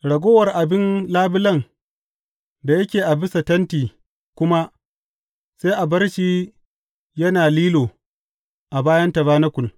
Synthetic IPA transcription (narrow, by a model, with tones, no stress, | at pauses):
ɽɐ˨ɡʷoː˦wɐ˨rʔa˨bɪ˦nlaː˦bɪ˦lɐ˦˨ŋ | da˨jɐ˦kʲeː˨ʔa˨bɪ˦sa˨tɐ˦ntiː˨ | kʷʊ˦ma˦ʔ | se˦ʔa˨bɐ˦rʃiː˦ | jɐ˦naː˨liː˦loː˨ | ʔa˨baː˦jɐ˦ntɐ˨baː˦nɐ˦kʷʊ˨l